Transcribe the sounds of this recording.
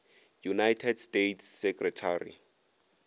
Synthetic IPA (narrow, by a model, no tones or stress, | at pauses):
junajtʰɛdstetʰsːɛkʼrɛtʰarḭ